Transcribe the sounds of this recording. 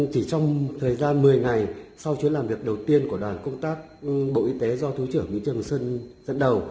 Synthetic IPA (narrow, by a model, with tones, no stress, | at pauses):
t͡ɕi˧˩t͡ɕɔ˧wŋ͡mt̪ʰəː˨˩jzaː˧nmɨ˨˩əjŋa˨˩jsa˧wt͡ɕu˨˦əlaː˨˩mvi˨˩ək̚ɗə˨˩wt̪i˧ənku˧˩əɗwaː˨˩nkə˧wŋ͡mt̪aː˦˥k̚ɓo̰˧˨ʔi˧t̪e˨˦zɔ˧t̪ʰu˨˦t͡ɕɨ˧˩əŋmḭ˧˥ŋt͡ɕɨ˨˩əŋsə˧nzə̰˧˥nɗə˨˩w